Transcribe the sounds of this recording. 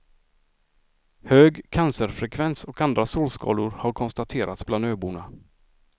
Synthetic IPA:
høːɡkʰansəɾfɾɛkʰvɛnsɔkand̪ɾasoːlskɑ̰ːlʊɾhaɾkʰɔnst̪at̪ʰeːɾʔa̰t̪sbland̪øːbuːɳa

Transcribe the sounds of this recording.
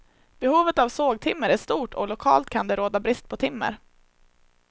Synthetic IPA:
b̥ɛhuːvət̪avsoːɡ̚t̪ʰɪmːəɾæʂt̪uːʈʰɔ̰lʊkʰɑ̰ːlt̪̚kʰand̪ɛɾoːd̪abɾɪst̪̚pʰɔt̪ʰɪmːə̰ɾ

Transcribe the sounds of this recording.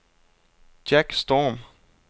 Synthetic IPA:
d͡ʒækst̪ɔm

